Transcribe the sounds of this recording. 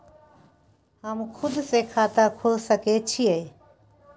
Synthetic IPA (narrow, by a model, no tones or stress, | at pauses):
həmkʰʊd̪sekʰat̪əkʰolsəket͡ʃʰie